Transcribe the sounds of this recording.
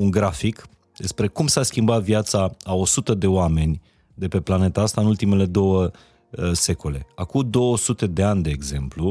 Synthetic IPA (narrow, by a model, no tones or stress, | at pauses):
uŋɡɾafik | d̪e̞spɾe̞kumsaskʲimbat̪vjat̪saao̞sut̪əd̪e̞oame̞nʲ | d̪e̞pe̞plane̞t̪aast̪aɨnult̪ime̞le̞d̪o̞wə | se̞ko̞le̞akud̪o̞wəsut̪e̞d̪e̞anʲd̪e̞ːɡze̞mplu